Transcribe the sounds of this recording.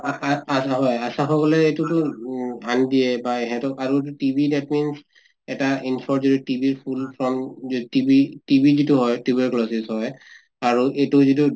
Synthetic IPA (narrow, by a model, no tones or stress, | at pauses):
aaasaɦɔjasaxɔkɔlɛejtutʊandiɛbaeɦɛtʊʔaɹuetutibʱidatmins | ɛtainsɔɹzoditibiɹpʰulpʰɹɔmzoitibitibizituɦɔjtibiklɔsisɦɔj | aɹuʔejtuzitu